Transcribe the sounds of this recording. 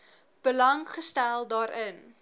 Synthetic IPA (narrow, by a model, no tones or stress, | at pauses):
b̥əlɐŋχəstælˠdɑːɾən